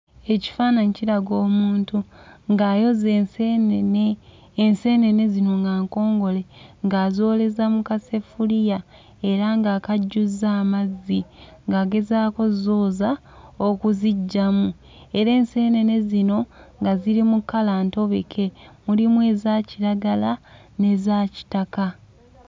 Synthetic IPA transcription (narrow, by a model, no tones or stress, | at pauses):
e̞ci̥faːnaɲciɾaɡo̞ːmuːntuŋɡaːjo̞zesenneː | nse̞ːne̞ne̞zino̞ŋɡaːŋko̞ːŋɡo̞le̞ŋɡaːzo̞ːle̞zamukase̞fulija | e̞ɾaŋɡaːkaɟːuzːaːmazːiŋɡaːɡe̞zaːko̞zoːza | okuziɟːamu | e̞ɾe̞ːnse̞ːne̞ne̞zino̞ŋɡaziɾimukːalaːnto̞βe̞̰kʰe̞mulimwe̞ːzaːciɾaɡala | ne̞zaːci̥taka